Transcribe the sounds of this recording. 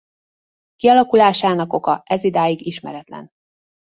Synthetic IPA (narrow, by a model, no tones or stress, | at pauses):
kiɒlɒkulaːʃaːnɒko̞kɒʔɛzid̪aːjiɡiʃmɛ̰ɾɛt̪lɛ̰n